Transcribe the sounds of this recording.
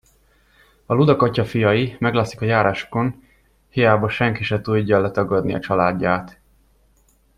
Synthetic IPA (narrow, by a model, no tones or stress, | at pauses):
ɒlud̪ɒkɒcɒfijɒjimɛɡlaːsi̥kɒjaːɾʔaːʃo̥ko̞n | hijaːbɒʃɛŋkiʃɛt̪uɟːɒlːɛt̪ɒɡɒd̪niɒ̰t͡ʃɒlaːɟːaːt̪